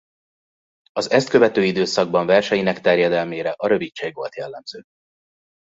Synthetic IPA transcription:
ɒzɛst̪̚køvɛt̪øːid̪øːsɒɡ̚bɒɱvɛrʃɛjinɛkt̪ɛrjɛd̪ɛlmeːɾɛʔɒɾø̞vicʃeːɡʋo̞lt̪jɛlːɛmz̥øː

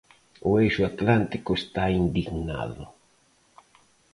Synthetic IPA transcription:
ʊejʃʊat̪lant̪ikʊest̪aind̪iɣna̰ðʊ̰

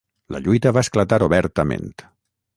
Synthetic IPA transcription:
ləʎujt̪əβaesklat̪aɾoβɛɾt̪əmḛ̃nt̪

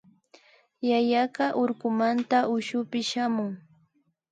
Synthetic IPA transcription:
jajaɢɑʔoɾkʊmant̪aʔʊʃʊpɪʃamʊŋ

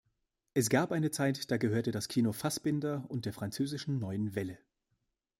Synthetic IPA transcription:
ʔɛsɡ̥aɐpʔaɪnət͡saɪtd̥aːɡəhøːɐtədaskʰiːnofasb̥ɪndɐʊnt̚d̥eːɐfʁ̥ant͡søːzɪʃn̩nɔʏənvɛlə

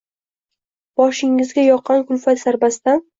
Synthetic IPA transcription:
b̥ɒʃɪŋːɪzɡʲajɒqʰːɑnkʰʊlfat̪zaɾbasd̪an

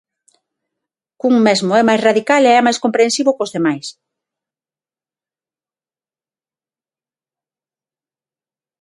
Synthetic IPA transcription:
kuŋmɛzmʊɛmajsraðikaleɛmajskompɾensiβʊkʊzðemajs

